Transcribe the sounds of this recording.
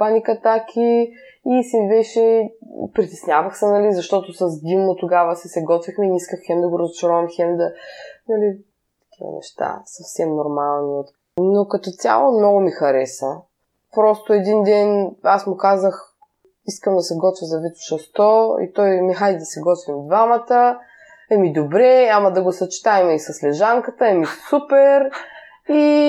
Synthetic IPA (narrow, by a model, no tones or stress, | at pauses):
panikɐt̪akʲʰi | isivɛt͡ʃɛpɾit̪ɛsnʲjavəxsənɐlizɐʃt̪ɔt̪osɐzd̪imot̪ʊɡavəsɛsɛɡɔt̪vixmɛniskəxxɛmd̪ɐɡʊɾɐzʊt͡ʃɾɔvɐmxɛmd̪ɐnɐli | t̪ːɐ̥kʲivə̰nɛ̰ʃt̪a̰sɐfsɛmnoɾmalˠniot̪ | nokɐt̪ɔt̪ʲja̰lˠomnɔɡʊmixɐɾɛsə | pɾɔst̪oɛd̪ind̪ɛnasmʊkazəx | iskəmd̪ɐsɛɡɔt̪vʲizɐvit̪ʊ̥ʃɐst̪ɔḭt̪ɔjmixad̪id̪ɐsɛɡɔt̪vʲimid̪vamət̪ə | ɛmid̪obɾɛɲamɐd̪ɐɡosɐt͡ʃɛ̥t̪aɛmisɐslɛʒaŋkət̪əɛmisupɛɾ | i